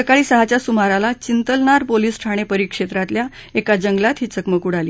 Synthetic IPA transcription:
əkaɭiːsəɦat͡ɕjasumaɾalat͡ɕint̪əlɳaɾpoliːsʈʰaɽ̃epəɾikʂet̪ɾat̪lja | ekad͡ʑəŋɡlat̪ɦiːt͡səkməkuɽaliː

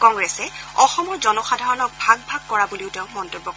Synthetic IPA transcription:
kɔŋɡɹɛsɛɔxɔmɔɹzɔnɔxadʱaɹɔnɔk̚bʱaɡ̚bʱaɡkɔɹabuliʊtɛʊ̃mɔntobːɔk

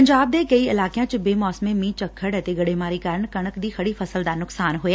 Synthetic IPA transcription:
ɐ̃ɲd͡ʑaːb̚d̪ekɐiɪlaːkijãt͡ɕɪbeːmɔːsmemĩːt͡ɕɐkʰːəɽɛt̪eɡɐɽemaːɾikaːɾəɽ̃kɐɽ̃əkd̪iːxɐɽifɐsəld̪aːnʊksaːnɦʊja

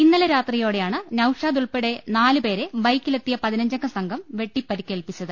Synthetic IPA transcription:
inːɐlɐɾaːt̪rijo̞ːɽejaːɳɨnɐwʂaːd̪uɭpiɽe̞naːlɨpe̞ːɾe̞bɐjkːilet̪ːijɐpɐðinɐɲd͡ʑɐŋɡːɐsɐŋɡʱɐmʋe̞ʈːipːɐɾikʲːeːlpit͡ɕːɐðɨ

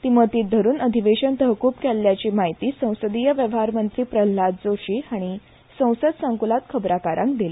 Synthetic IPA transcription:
t̪imət̪iːd̪ʱəɾuːnəd̪ʱiʋeɕənt̪əɦkuːpkɛlːjat͡ɕiːmaɦit̪iːsə̃w̃səd̪ijəʋjəʋɦaɾmənt̪ɾiːpɾəlːad̪̚d͡zoɕiːaɽ̃i | sə̃w̃səd̪səŋkulat̪kʰəbɾakaɾʔã̰ŋkd̪ile

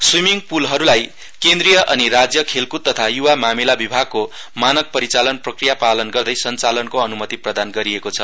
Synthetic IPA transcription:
swimiŋpulɦʌɾulaj | kend̪rijʌʔʌniɾad͡zjʌkʰelkut̪ːʌt̪ʰajuwamamilabibʱaɡ̚ko | manʌk̚pʌɾit͡salʌnprʌkrijapalʌnɡʌrd̪ʌjsʌnt͡salʌnkoʌnumʌt̪iprʌd̪anɡʌɾiekot͡sʰʌ

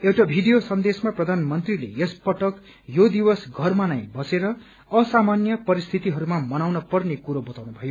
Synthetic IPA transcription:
ewʈabʱiɖijosʌnd̪esmaprʌd̪ʱanmʌnt̪rilḛespʌʈʌk | jod̪iwʌsɡʱʌrmanajbʌseɾʌː | samanjʌpʌɾist̪ʰit̪iɦʌɾumamʌnawnʌpʌrnekuɾobʌt̪awnubʱʌjo

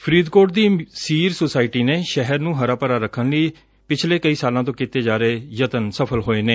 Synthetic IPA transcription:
pʰɾiːd̪koːʈd̪iːsiːɾsosaːɪʈiːneːʃɛɦəɾnũːɦəɾaːpəɾaːɾəkʰːənləiː | pɪt͡ʃʰleːkəiːsaːlãːt̪õːkit̪eːd͡ʒaːɾeːjət̪ənsəpʰəlɦoːeːneː

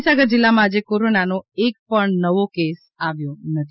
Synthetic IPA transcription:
saɡəɾd͡ʒɪlːamãːd͡ʒekoɾonanoek̚pəɳnəʋokes | aʋjõnət̪ʰ

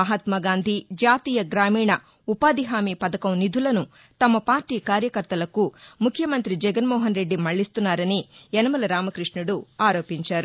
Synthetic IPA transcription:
ɐɦɐt̪mɐɡaːnd̪ʱid͡ʒaːt̪iːjɐɡɾaːmiːɳɐ | upaːd̪iɦaːmiːpɐd̪ɐkɐmnid̪ʱulɐnu | t̪ɐmɐpaːɾʈiːkaːɾjɐkɐɾt̪ɐlɐkumukʰjɐmɐnt̪ɾid͡ʒɛɡɐnmɔːɦɐnɾe̞ɖːimɐɭːist̪unːaːɾɐniɛnɐmɐlɐɾaːmɐkɾiʂɳuɽuaːɾoːpiɲt͡ʃaːɾu

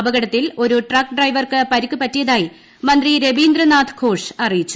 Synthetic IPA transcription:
ɐbɐɣɐɽɐt̪ːilo̞ɾuʈraːkːɖrɐjʋɐrkɨpɐɾikʲːupɐtːijɐðaːji | mɐnd̪riɾe̞biːnd̪rɐnaːd̪ʰʱɡʰʱo̞ːʂɐrijit͡ɕːu

